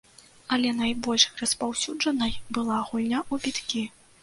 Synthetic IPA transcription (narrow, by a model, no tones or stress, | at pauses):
ɐlʲɛnajbɔlʲʂrɐspawsʲud͡ʐɐnɐjbɨlˠaɣulʲnʲaʔubʲit̪kʲi